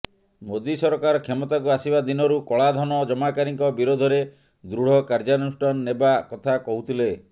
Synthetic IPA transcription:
mod̪isɔɾɔkaɾɔkʰemɔt̪ak̬uasibad̪inɔɾukɔɭad̪ʱɔnɔd͡ʒɔmakaɾiŋkɔbiɾod̪ʱɔɾe | d̪ɾuɽ̤ɔkaɾd͡ʒanusʈɔnːebakɔt̪ʰakɔɦut̪ʰile

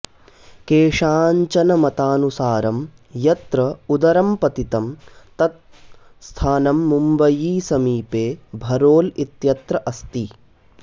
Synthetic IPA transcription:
keːʂaːɲt͡ʃɐnɐmɐt̪aːnusaːɾɐm | jɐt̪ɾɐud̪ɐɾɐmpɐt̪it̪ɐmt̪ɐt̪̚ | st̪ʰaːnɐmːumbɐjiːsɐmiːpeːbʱɐɾoːlit̪jɐt̪ɾɐʔɐst̪i

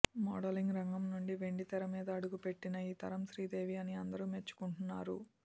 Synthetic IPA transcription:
mɔ̰ːɽɐliŋɡɾɐŋɡɐmnuɳɖiʋe̞ɳɖit̪ɛɾɐmiːd̪ɐːɽuɡupe̞ʈːinɐiːt̪ɐɾɐmsɾiːd̪e̞ːʋiɐniɐnd̪ɐɾume̞t͡ʃːu̥kuɳʈunːaːɾu

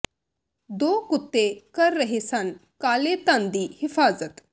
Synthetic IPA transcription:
d̪okut̪ːekəɾːəɦesankalet̪and̪iːhifazət̪

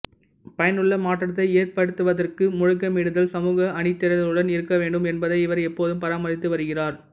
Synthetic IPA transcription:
pɐjɐnɯɭːɐmaːʈːɐɐt̪̬ːɐɪeːɾpɐɽɯt̪ːɯʋɐðɐrkɯmʊɻʊkːɐmiɽɯðɐlsɐmuːɣɐɐɳɪt̪ːɪɾɐðɐlɯɽɐnɪɾɯkːɐʋeːɳɖɯmɛnbɐðɐɪɪʋɐɾɛpːoːðɯmpɐɾaːmɐðɪt̪ːɯʋɐɾɯɣɪraːɾ

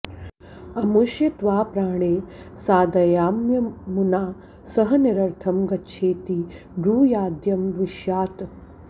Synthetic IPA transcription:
ɐmuʃjɐt̪ʋaːpɾaːɳ̃eː | saːd̪ɐjaːmjɐmunaː | sɐɦɐniɾɐɾt̪ʰɐmɡɐtːʃʰeːt̪i | ɖuːjaːd̪jɐmd̪ʋiʃjaːt̪

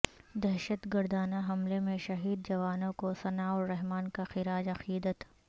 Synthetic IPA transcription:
d̪ɛɦʃət̪ɡəɾd̪aːnaɦɐmlemẽʃɐɦiːd̪̚d͡ʒɐʋaːnõkosɐnaɔːɾːɛɦmaːnkaxɪɾaːd͡ʒɐqiːd̪ət̪

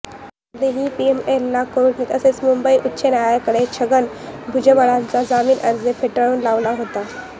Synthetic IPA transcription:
d̪eɦiːpiemelːakoɾiʈnikəset͡smumbəiʔutːɕʰenajakəɽet͡ɕʰəɡənbʱud͡ʑəməɽãnt͡sad͡zamiːnʔəɾd͡zefʰeʈəɭuːnlaʋlaɦot̪a

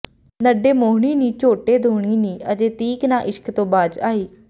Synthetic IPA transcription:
nəɖeːmoːɦɳ̃iːnĩːt͡ʃoːʈeːd̪ʱoːɳ̃iːnĩːʔəd͡ʒ̪eːt̪iːknaːʔɪʃkt̪õːbaːd͡ʒaːiː

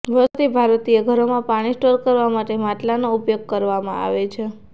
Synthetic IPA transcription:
bət̪ibʱaɾt̪ieɡʱəɾomãpaɽ̃isʈoɾkəɾʋamaʈemaʈlanoupjoɡ̚kəɾʋamã̰a̰ʋet͡ʃʰe

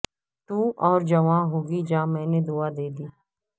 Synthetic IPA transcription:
t̪uːʔɔːɾd͡ʒəʋãːɦoːɡid͡ʒãːmɛ̃ːned̪uːad̪eːd̪iː

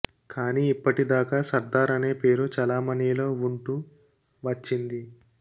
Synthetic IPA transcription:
kʰaːniːipːɐʈid̪aːkaːsɐɾd̪aːɾɐne̞ːpe̞ːɾut͡ʃɐlaːmɐnilo̞ːuɳʈu | ʋɐt͡ʃːind̪i

